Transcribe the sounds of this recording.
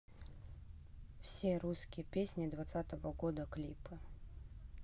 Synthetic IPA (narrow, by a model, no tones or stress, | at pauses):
fsʲeɾuskʲɪjəpʲesʲnʲɪd̪vat̪sat̪əvəɡod̪əklʲipɨ